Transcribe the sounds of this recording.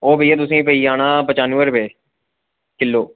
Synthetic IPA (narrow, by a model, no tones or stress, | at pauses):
oːbəjːaːt̪̬ʊs̬ẽːpəiːaːnaːpət͡ʃaːnuːʋəɾbeː | kɪlːoː